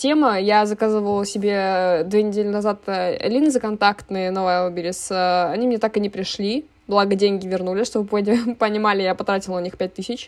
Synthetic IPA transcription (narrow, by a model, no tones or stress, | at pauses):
tʲe̞məjazɐkazɨvəlˠsʲɪbʲed̪vʲenʲɪdʲelʲɪnɐzat̪ːlʲinzəkɐnt̪akt̪nɨjənovəmɐbʲilʲɪsəɐnʲimnʲet̪akɨnʲɪpɾʲɪʂlʲi | blˠaɡədʲenʲɡʲɪvʲɪrnulʲɪsʲʂt̪obɨpopənʲɪmalʲɪjapɐt̪ɾatʲɪlˠʊnʲixpʲæt̚ʲt̪ɨsʲɪt͡ɕ